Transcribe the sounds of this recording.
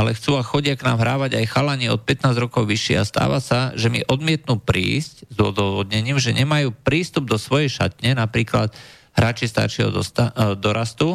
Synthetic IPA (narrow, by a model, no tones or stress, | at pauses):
alɛxt͡suːaxɔɟɪaknaːmɦɾaːʋaɟajxalaɲiɔt̪̚pɛt̪naːzɾɔkɔʊʋiʃɛ̰a̰st̪a̰ːʋasaʒɛmḭʔɔd̪mɪɛt̪nuːpɾḭːsczɔd̪ɔʋɔd̪ɲɛɲiːmʒɛɲɛmajuːpɾiːst̪ub̚d̪ɔsʋɔjɛjʃat̪ɲɛnapɾiːklat̪ | ɦɾaːt͡ʃist̪a̰ɾt͡ʃɛɦɔ̰d̪ɔst̪ad̪ɔɾast̪u